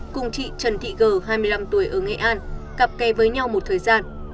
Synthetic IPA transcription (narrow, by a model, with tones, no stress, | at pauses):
kʊ˧ŋ͡mt͡ɕḭ˧˨t͡ɕə˨˩nt̪ʰḭ˧˨ɣəː˨˩ɦaː˧jmɨ˧əjla˧mt̪u˧˩əjʔəː˧˩ŋḛ˧˨ʔaː˧nɣa˨˩p̚kɛ˨˦vəː˨˦jɲa˧wmo˨˩t̚t̪ʰəː˨˩jzaː˧n